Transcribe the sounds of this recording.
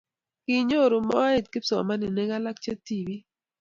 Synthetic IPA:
kɪ˦ɲo˦˨ɾo˨mɔ˦a˦ɪ˨t̪̚ki˦psɔ̰˨ma˦nɪ˨ne˦ɡa˦la˦kt͡ʃe˦ti˨wi˦

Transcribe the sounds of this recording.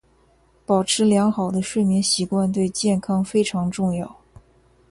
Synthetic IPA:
pɑ˨˩ʊʈ͡ʂʰɻ̩˧˥ljɑ˧˥ŋxɑ˨˩ʊd̪ə˦ʂwe˥˩ɪmɛ˧˥nɕi˧˥kwa˥˧nt̪̬we˥˧ɪt͡ɕjɛ˥˩nkʰɑ˥ŋfe˥ɪʈ͡ʂʰɑ˧˥ŋʈ͡ʂʊ˥˧ŋjɑ˥˩ʊ

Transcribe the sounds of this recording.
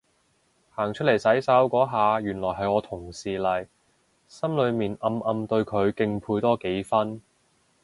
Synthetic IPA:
haː˨˩ŋt͡ʃʰɵ˥le˨˩jsɐ˨˥jsɐ˨˥wkɔː˨˥ɦaː˨˧jyː˨˩nlɔː˨˩jɦɐ˨jɔː˨˧t̪ʰʊ˨˩ŋsiː˨lɐ˨˩j | sɐ˥mlɵ˨˧ɥmiː˨nɐ˧mʔɐ˧mt̪ɵ˧ɥkʰɵ˨˧ɥkɪ˧ŋpʰuː˧jt̪ɔː˥ke˨˥jfɐ˥n

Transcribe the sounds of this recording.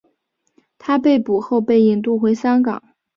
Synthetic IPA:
t̪ʰa˥pe˥˩ɪpu˨˩xo˥˧ʊpe˥˩ɪi˥˩ŋt̪u˥˩xwe˧˥ɪɕjɑ˥ŋkɑ˨˩˦ŋ

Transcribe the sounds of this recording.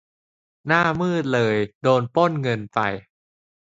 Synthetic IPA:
naː˥˩mɯː˥˩t̪̚lɤː˧jdoː˧npo˥˩nŋɤ˧npa̰˧j

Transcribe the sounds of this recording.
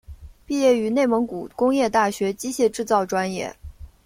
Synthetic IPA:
pi˥˧jɛ˥˩y˧˥ne˥˩ɪmɤ˧˥ŋku˨˩kʊ˥ŋjɛ˥˧t̪a˥˩ɕɥɛ˧˥t͡ɕi˥ɕjɛ˥˧ʈ͡ʂɻ̩˥˧t͡sɑ˥˩ʊʈ͡ʂwa˥njɛ̰˥˩

